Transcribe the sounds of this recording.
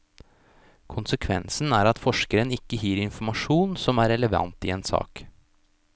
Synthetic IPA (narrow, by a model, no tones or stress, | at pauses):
kʰʊnsəkʰʋɛ̰nsn̩æːɾɑt̪fɔʂkəɾənɪkːəhiːɾɪnfɔɾmɑʂuːnsɔmæɾɛləʋɑ̰nt̪ɪeːnsɑ̰ːk